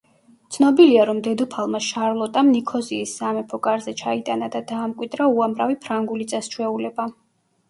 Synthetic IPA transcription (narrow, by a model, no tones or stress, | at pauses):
t̪sʰnɔbiliaɾɔmd̪ɛd̪upʰalˠmaʃaɾlˠɔt̪ʼamnikʰɔziːsːamɛpʰɔɡʼaɾzɛt͡ʃʰait̪ʼanad̪ad̪aːmkʼwid̪ɾauamɾavipʰɾaŋɡulit̪sʼɛst͡ʃʰwɛulɛba